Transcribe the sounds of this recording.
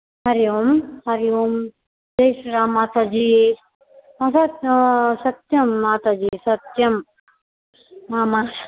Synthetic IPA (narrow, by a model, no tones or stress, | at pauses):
hɐɾjomhɐɾijom | d̪ejʃɾamaːt̪ɐd͡ʒiː | ɐsɐt̪sɐt̪jɐmːaːt̪ɐd͡ʒisɐt̪jɐm | aːmas